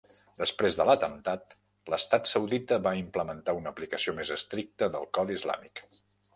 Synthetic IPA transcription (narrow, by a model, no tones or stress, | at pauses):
d̪əspɾezðələt̪ənt̪at̪̚ | ləst̪at̪səwðit̪əβaimpləmənt̪aunəplikəsiomezəst̪ɾik̚t̪əðəlˠkɔðizla̰mik